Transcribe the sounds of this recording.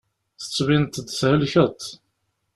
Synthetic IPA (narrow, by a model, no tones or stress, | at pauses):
θə̥t͡sːvint̪ːd̪shəlçət̪ˤ